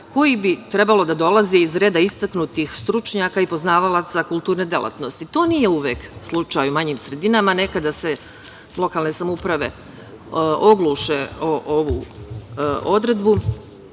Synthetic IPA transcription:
ko̞jibit̪ɾe̞balo̞d̪ad̪o̞lˠaziizɾe̞ːd̪aist̪aknut̪ixst̪ɾut͡ʃɲaːkaipo̞znaːʋalˠat̪sakulˠt̪uːɾne̞d̪elˠʔa̰t̪no̞st̪it̪o̞ːnije̞uʋeːkslˠut͡ʃajumaɲiːmsɾe̞d̪inamane̞kad̪ase̞ | lˠo̞kalne̞samoupɾaʋe̞̰ | ʔo̞ɡluʃeoʔoʋu | o̞d̪ɾe̞d̪bu

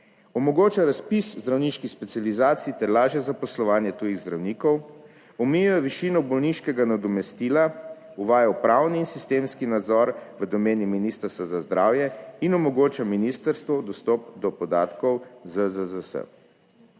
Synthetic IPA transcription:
ɔmɔɡoːt͡ʃaɾaspiszd̪ɾawniʃkixspɛt̪sijalizaːt̪siit̪ɛɾlaːʒjɛzapɔslɔʋaːnjɛt̪ujiɣzd̪ɾawniːkɔw | ɔmijujɔʋiʃinɔbɔlniʃkɛɡanad̪ɔmɛst̪ila | uʋaːjawpɾaːwniːnsist̪eːmskinad̪zɔɾʋəd̪ɔmeːniminiːst̪əɾst̪azazd̪ɾʔaːwjɛinɔmɔɡoːt͡ʃaminist̪əɾst̪ʋɔd̪ɔst̪ɔpd̪ɔpɔd̪a̰ːt̪kɔwzəzəzəsə̰

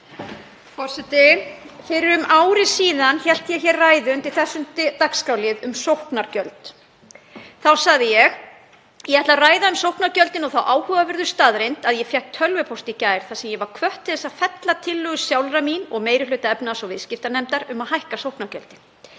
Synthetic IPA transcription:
fɔr̥sɛt̪ɪfɪɾɪɾʏmʔaːwɾɪsiːðançɛl̥t̪jɛçɛɾraːjðʏnt̪ʰɪlθɛsːʏnt̪ɪt̪akskawlɪðʏmsowhknaɾcœlt̪ | θawsaɣðɪjɛɣ | jɛɛht̪laraːjðaʏmsowhpnaɾcœlt̪ɪnɔɣθawʔaːwhœːvavɪɾðʏ̥st̪aːðɾejnt̪aðjɛfjɛhk̚t̪ʰːœlvʏpʰowst̪icaːjɾ̥θasɛmjɛvaɾ̥kʰvœht̪ʰːɪlθɛsːaðfɛt̪lat̪ʰɪlːʏːɣʏ̥sjawlraminɔɣmeːjɾɪhlœːt̪aɛpnasɔɣvɪðscɪft̪anɛmt̪aɾʏmaðɦajhkasowhknaɾcœ̰lt̪ɪn

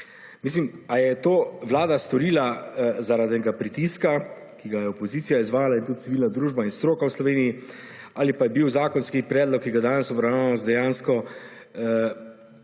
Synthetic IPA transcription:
mis̬limajɛt̪oːʋlaːd̪ast̪ɔɾiːlazaɾad̪nɛɡapɾit̪iska | kiɡajɛɔpɔziːt̪sijaizʋaːjalaint̪ut̪̚siʋiːlnad̪ɾuːʒbainst̪ɾoːkawslɔʋeːniji | aːlipajɛbiwzaːkɔnskipɾɛːd̪lɔkːiɡad̪aːnɛsɔbɾawnaːnɔzd̪ɛjaːnskɔ

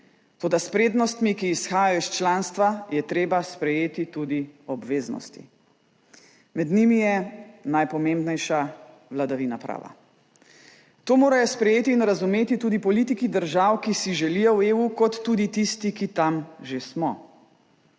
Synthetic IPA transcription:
t̪oːd̪aspɾeːd̪nɔst̪mikiːsxaːjaɔist͡ʃlaːnst̪ʋajɛt̪ɾeːbaspɾɛjeːt̪it̪uːd̪iɔbʋeːznɔ̰st̪ḭ | mɛd̪nimijɛnajpɔmẽːmbnɛjʃa | ʋlad̪aʋinapɾa̰ːʋa̰ | t̪oːmoːɾajɔspɾɛjeːt̪iːnɾazumeːt̪it̪uːd̪ipɔlit̪ikid̪əɾʒawkisiʒɛlijɔweːukɔt̪ːuːd̪it̪ist̪ikit̪amʒesmɔ

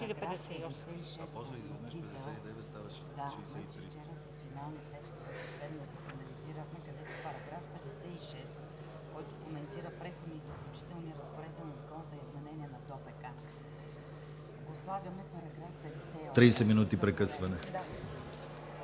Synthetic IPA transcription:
ɡɾpɛaɛsɛd̪ɛsɛiʃɛsminut̪id̪ɛ | d̪amat̪ɛft͡ʃɛɾəsɐsfinalˠnɐt̪ɛkst̪vɛsoslɛd̪nɐd̪ɐsɐnɐliziɾəxmɛkɐd̪ɛt̪ʊpɐɾɐɡɾafpɛd̪ɛsɛiʃɛst̪ | kɔjt̪ʊkomɛnt̪iɾəpɾɛxod̪iːzɐklʲut͡ʃi̥t̪ɛlˠniɾɐspoɾɛd̪bɛlkɔnsɐizmɛnɛniɛnɐt̪ɔpɛka | ɡoslˠavʲjɐmɛpɐɾɐɡɾafpɛd̪ɛsɛɔt̪ɾiːsɛminut̪ipɾɛkɤsvɐnɛ

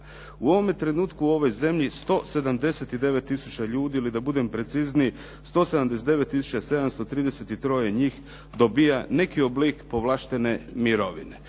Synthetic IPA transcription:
uo̞ʋo̞me̞t̪ɾe̞nuːt̪kuo̞ʋo̞jze̞mʎist̪o̞se̞d̪amd̪e̞se̞t̪id̪e̞ʋet̪ːisut͡ɕaʎuːd̪iilid̪abud̪e̞mpɾe̞t̪sizni | st̪o̞ːsed̪amd̪eset̪e̞ʋe̞t̪ːisu̥t͡ɕase̞d̪amst̪o̞t̪ɾiːd̪e̞se̞t̪it̪ɾo̞jeɲiːx | d̪o̞bijane̞kioblikpo̞ʋlˠaːʃt̪e̞ne̞miɾo̞ʋḭne̞

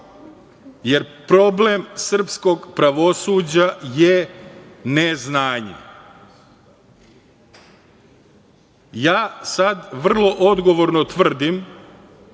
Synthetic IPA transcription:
je̞ɾpɾo̞ble̞msr̩psko̞ɡpɾaʋosuːd͡ʑaje | neznaːɲḛ | jaːsad̪ʋr̩lˠo̞ʔo̞d̪ɡo̞ʋo̞ɾnot̪ʋr̩d̪im

